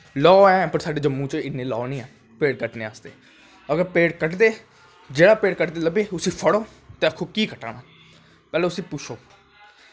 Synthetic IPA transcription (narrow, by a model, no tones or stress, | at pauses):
lɔːɛ̃ːpəɾsaːɖeːd͡ʒəmːũːt͡ʃəɪnːẽːlɔːnĩːɛː | peːɽkəʈnẽːaːsd̪ḛː | əɡəɾpeːɽkəʈd̪eː | d͡ʒeːɽaːpeːɽkəʈd̪eːləbeːʊsĩːpʰəɽoː | t̪eːəkʰːoːkiːkəʈa̰ːnaː | pɛːleːʊsĩːpʊt͡ʃʰoː